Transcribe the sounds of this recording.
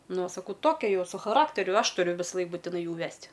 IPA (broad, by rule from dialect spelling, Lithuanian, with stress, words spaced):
ˈnʊ oː sɐˈkɐʊ ˈtoːkʲɛ ˈjɛʊ sʊ xɐˈrɑːktʲɛrʲʊ ˈɐʃ ˈtʊrʲʊ ʋʲɪsɐˈlˠɐɪk buːtʲɪˈnɐɪ ˈjuː ˈʋʲɛsʲtʲ